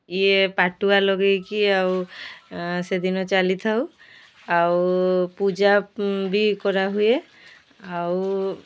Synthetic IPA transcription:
iɛpaʈualɔɡekiaw | sed̪inɔt͡ʃalit̪ʰaʊ | awpud͡ʒabikɔɹaɦujɛ | aw

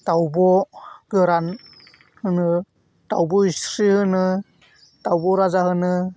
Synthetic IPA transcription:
tawbɔɡɯɾan | hɯnɯ | tawbɔisɾihɯnɯ | tawbɔɾazahɯnɯ

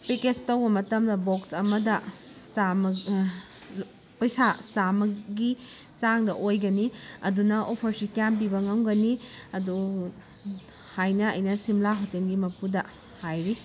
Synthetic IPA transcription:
peket͡ʃtɐwbɐmɐtɐmdɐboksɐmɐdɐ | sam | pɐjsasamɐɡi | t͡ʃaŋdɐʔojɡɐniɐdunɐʔopʰɐɾsikjamp̬ibɐŋɐwɡɐniɐdu | hajnɐɐ̰jnɐsimlaɦotelɡimɐpudɐ | hajɾi

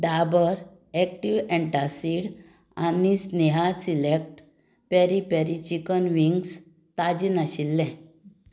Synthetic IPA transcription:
ɖabəɾ | ɛk̚ʈiʋɛ̃ɳʈasiɽ | anisnɛɦasilek̚ʈ | pɛɾipɛɾit͡ɕikənʋiŋɡs | t̪ad͡ʑinaɕilːɛ̃

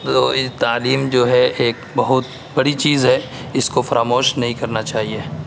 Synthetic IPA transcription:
t̪oːt̪aːliːmd͡ʒoːɦɛʔeːk | bɐɦʊt̪̚ | bɐɽit͡ʃiːzɦɛɪskofɐɾaːmoːʃnɐɦĩkɐɾnat͡ʃaːɦieː

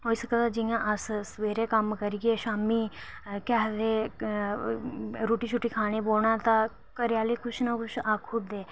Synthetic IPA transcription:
ɦoːiːsəkːd̪aːd͡ʒɪjãːʔəssʋeːɾeːkəmkəɾiːɡeːʃaːmiːkɛɦd̪eː | ɾuːʈiːt͡ʃʰʊʈːiːkʰaːɽ̃eːboːɳãːt̪ãː | kəɾjaːliːkʰʊʃnaːkʊʃaːkʰʊd̪eː

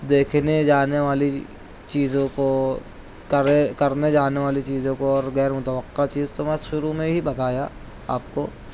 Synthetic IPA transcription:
d̪eːkʰned͡ʒaːneʋaːli | t͡ʃiːzõko | kɐɾekɐɾned͡ʒaːneʋaːlit͡ʃiːzõkoɔːɾɣɛːɾmʊt̪əʋəqːat͡ʃiːzt̪omɛʃʊɾumẽɦibɐt̪aːja | a̰ːp̚koː

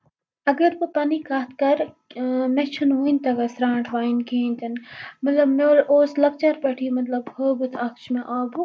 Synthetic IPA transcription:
ɐɡɐɾpɨpɐnikaːt̪ʰkɐɾ | met͡ʃʰunɦuːinʲt̪ɐɡɐsɾãːɳʈʰʋaːinkʰẽːnʲt̪ɐnmɐt̪lɐbmeloːslɐk̚t͡ʃɐɾpɐʈʰiːmɐt̪lɐbhoːbɨt̪ʰɐkt͡ʃʰmeʔaːbu

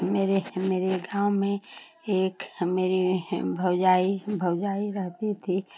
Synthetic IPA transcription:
meːɾemeːɾeɡaːwmẽ | eːkmeːɾibʱəwd͡ʒaːibʱəwd͡ʒaːiɾəɦt̪it̪ʰi

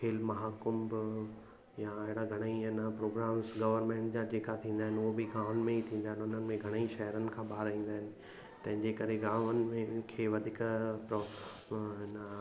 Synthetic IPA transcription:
kʰeːlmɐɦaːkʊmb | jãeɦɽaɡʱɐɽ̃əinəpɾoːɡɾaːmzɡɐʋəɾmẽːɳʈd͡ʑad͡ʑeːkat̪ʰĩːn̆d̪aɦɪnɪuɦobiɡãːʋənmẽit̪ʰĩːnd̪aːɦɪnʊn̤ənɪ̆mẽɡʱɐɽ̃əiʃɐɦəɾənɪ̆kʰãːɓaːɾʋĩːn̆d̪aːɦɪnɪ̆ | t̪ɐ̃ɦɪ̃ɲd͡ʑekɐɾeɡãːʋənɪ̆mẽkʰeːʋɐd̪ʱɪkpɾ | n

